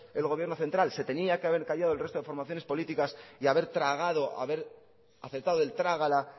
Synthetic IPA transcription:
e̞lɣ̞oje̞ɾno̞θe̞nt̪ɾalse̞t̪e̞niakeaβ̞e̞ɾkaʝað̞o̞lre̞st̪oefo̞ɾmaθjo̞ne̞spo̞lit̪ikasiaβ̞e̞ɾt̪ɾaɣ̞að̞o̞a̰βe̞ɾ | aθeɾt̪aðoe̞lt̪ɾaɣ̞ala

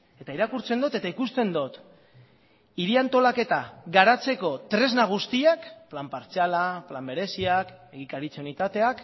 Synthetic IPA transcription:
e̞t̪aiɾakuɾt͡se̞nd̪ot̪e̞t̪aikust̪e̞nd̪ot̪ | iɾiant̪o̞lake̞t̪aɣaɾat͡se̞ko̞t̪ɾe̞znaɣ̞ust̪iakplampaɾt͡salaplambe̞ɾe̞siak | e̞ɣikaɾit͡seunit̪at̪e̞ak

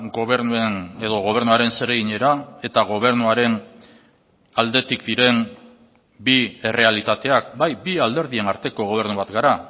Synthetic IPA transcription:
ɡoβeɾueneðo̞ɣ̞o̞β̞e̞ɾnuaɾe̞nse̞ɾe̞ɣiɲe̞ɾae̞t̪aɣ̞o̞β̞e̞ɾnuaɾe̞n | ald̪e̞t̪ikd̪iɾe̞m | bie̞re̞alit̪at̪e̞akbajbiald̪e̞ɾðie̞naɾt̪e̞ko̞ɣ̞o̞β̞e̞ɾnuβat̪ɡaɾa

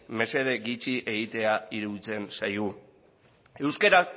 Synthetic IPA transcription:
me̞se̞ð̞e̞ɡit͡ʃiʔe̞ɣit̪e̞aiɾuit͡se̞nsajɣu | e̞wskeɾa

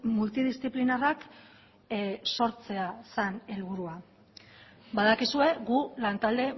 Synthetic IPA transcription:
mult̪iðist͡siplinarak | so̞ɾt͡se̞asane̞lβ̞uɾua | baðakisue̞ɣulant̪ald̪e̞

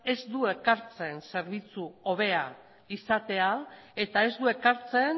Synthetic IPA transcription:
e̞zd̪ue̞kaɾt͡se̞nse̞ɾβit͡suo̞β̞e̞a | isat̪e̞ale̞t̪ae̞zd̪ue̞kaɾt͡se̞n

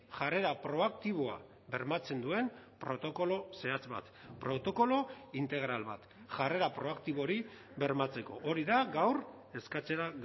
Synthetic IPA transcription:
ʝare̞ɾapɾo̞ak̚t̪iβ̞oa̰ | βe̞ɾmat͡se̞nd̪ue̞mpɾo̞t̪o̞ko̞lo̞se̞at͡sba̰t̪pɾo̞t̪o̞ko̞lo̞int̪e̞ɣ̞ɾalβa̰t̪ | ʝare̞ɾapɾo̞akt̪iβo̞ɾi | βe̞ɾmat͡se̞ko̞̰ʔoɾiðaɡawr | e̞skat͡se̞ɾa

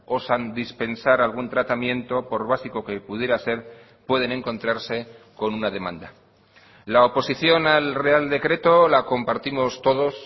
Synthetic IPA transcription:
o̞sand̪ispe̞nsaɾalɣ̞unt̪ɾat̪amjẽ̞nt̪o̞po̞ɾβ̞asiko̞ke̞puð̞je̞ɾase̞ɾ | pwe̞ð̞e̞ne̞ŋko̞nt̪ɾaɾse̞ko̞nunað̞e̞mã̰nd̪a | laopo̞siθjo̞nalre̞ald̪e̞kɾe̞t̪o̞lako̞mpaɾt̪imo̞st̪o̞ðo̞s

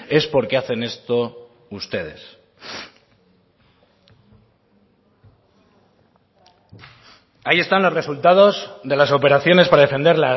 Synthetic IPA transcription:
e̞spo̞ɾke̞aθe̞ne̞st̪o | ust̪e̞ð̞e̞̰s | aie̞st̪anlo̞zre̞sult̪að̞o̞zðe̞laso̞pe̞ɾaθjo̞ne̞spaɾaðe̞fe̞nd̪e̞ɾla

